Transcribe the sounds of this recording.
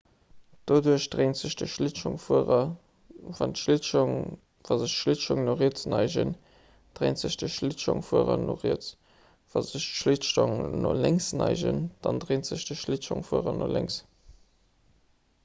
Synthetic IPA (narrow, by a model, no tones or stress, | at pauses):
d̥oduəʃd̥ʁeɪntz̥əʃd̥əʃliʃʊŋfuəʁɐ | vɑntʃliŋ | vɑzəʃʃliʃʊŋnoʁiət͡snɑɪʒə̰n | d̥ʁeɪntz̥əʃd̥əʃliʃo̰ŋfuəʁɐno̰ʁiət͡s | v̥ɑzəʃtʃliʃtoŋno̰læŋsnɑɪʒə̰nd̥ɑndʁeːntz̥əʃd̥əʃliʃoŋfuəʁɐnʔolæŋs